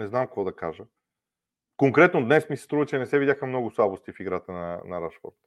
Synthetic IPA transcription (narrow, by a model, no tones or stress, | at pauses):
nɛznamkɐkvɔd̪ɐkaʒə | koŋkɾɛt̪nod̪nɛsmisɛ̥st̪ɾuvət͡ʃɛnɛsɛvid̪ʲjaxəmnɔɡʊslˠabost̪ifiɡɾat̪ənɐnɐɾaʃfɔ̰ɾt̪